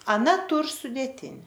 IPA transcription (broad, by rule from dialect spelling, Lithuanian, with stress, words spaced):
ɐˈnɐ ˈtuːr sʊdʲeːˈtʲɪnʲɪ